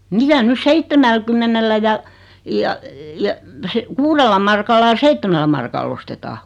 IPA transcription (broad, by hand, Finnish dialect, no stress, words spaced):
mitæ nys seitːemælkymːenelːæ jɑ jɑ jɑ se kuːrelːɑ mɑrkɑlːɑ j̆ɑ̆ seitːemælːæ mɑrkɑlː ostetɑː